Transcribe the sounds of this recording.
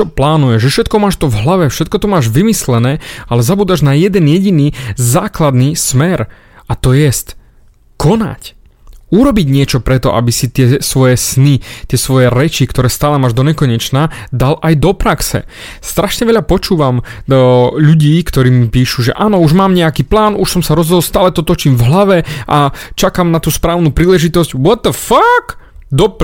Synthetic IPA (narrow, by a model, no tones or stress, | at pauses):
ɔplaːnujɛʒɛfʃɛt̪̚kɔmaːʃt̪ɔvɦlaʋɛfʃɛt̪̚kɔt̪ɔmaːʒʋimislɛnɛːalɛzabuːd̪aʒnajɛd̪ɛnjɛɟiniːzaːklad̪nismɛɾ | at̪ɔjɛst̪ | kɔna̰c | uɾɔbiɟɲɪɛt͡ʃɔpɾɛt̪ɔ̰ʔa̰bisit̪ɪɛsʋɔjɛsnit̪ɪɛsʋɔjɛɾɛt͡ʃikt̪ɔɾɛːst̪aːlɛmaːʒd̪ɔɲɛkɔɲɛt͡ʃnad̪alʔajd̪ɔpɾaksɛ̰ | st̪ɾaʃɲɛʋɛʎapɔt͡ʃuːʋam | ʎuɟiːkt̪ɔɾiːmipiːʃuʒɛ̰ʔaːnɔuʒmaːmɲɛakiːplaːnuʃsɔmsaɾɔzɦɔd̪ɔlst̪aːlɛt̪ɔt̪ɔt͡ʃimvɦlaʋɛʔat͡ʃakamnat̪uːspɾaːʊnuːpɾiːlɛʒit̪ɔzɟwɔt̪ːəfak | d̪ɔp